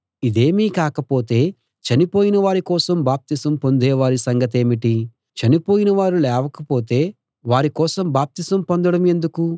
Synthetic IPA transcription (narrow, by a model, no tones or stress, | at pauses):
id̪eːmiːkaːkɐpo̞ːt̪e̞ː | t͡ʃɐnipoːjinɐʋaːɾikɔːsɐmbaːp̚t̪isɐmpo̞nd̪ɛːʋaːɾisɐŋɡɐt̪̬eːmiʈi | t͡ʃɐnipo̞ːjinɐʋaːɾulɛːʋɐkɐpoːt̪e̞ː | ʋaːɾikɔːsɐmbaːp̚t̪isɐmpond̪ɐɽɐme̞nd̪uku